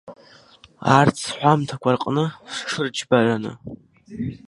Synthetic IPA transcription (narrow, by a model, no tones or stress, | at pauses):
a̰rt͡sʰħʷamtʰakʷʰarqʼnɨʂʂɨrd͡ʒbaʕʷanɨ̰